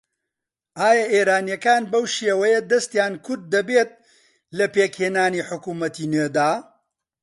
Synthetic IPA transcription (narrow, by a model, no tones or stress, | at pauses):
ʔaːjɐʔeːɾaːnjɐkaːnbɐwʃeːwɐjɐd̪ɐst̪jaːnkʰʊɾd̪̚ːɐbeːt̪̚ | lɐpeːkheːnaːniːħʊkuːmɐt̪iːnwed̪aː